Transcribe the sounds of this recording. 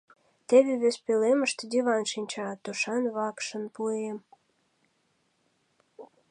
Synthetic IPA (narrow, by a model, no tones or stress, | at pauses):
t̪eβeβespeleməʃt̪ed̪ʲiβɑnʃinʲt͡ɕɑt̪uʃɑnβɑkʃə̆npuem